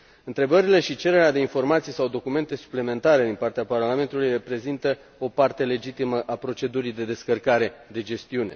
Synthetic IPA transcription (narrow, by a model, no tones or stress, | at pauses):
ɨnt̪ɾe̞bəɾile̞ʃit͡ʃe̞ɾe̞ɾead̪e̞info̞rmat̪sijsawd̪o̞kume̞nt̪e̞su̥plime̞nt̪aɾe̞d̪inpart̪eaparlame̞nt̪ulujre̞pɾe̞zint̪ə | o̞part̪e̞le̞d͡ʒit̪iməʔapɾo̞t͡ʃe̞d̪uɾijd̪e̞d̪e̞skərkaɾe̞d̪e̞d͡ʒe̞st̪iune̞̰